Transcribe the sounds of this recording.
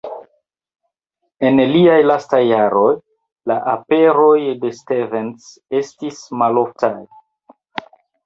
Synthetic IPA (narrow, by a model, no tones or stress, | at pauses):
e̞nliajlastajːaɾo̞j | laʔape̞ɾojde̞stevens | e̞stismalo̞ftaj